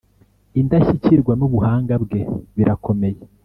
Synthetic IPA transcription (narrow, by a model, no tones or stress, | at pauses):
indaçiciɾɡwanuβuhaːŋɡabɡe̞βiɾakʰo̞me̞je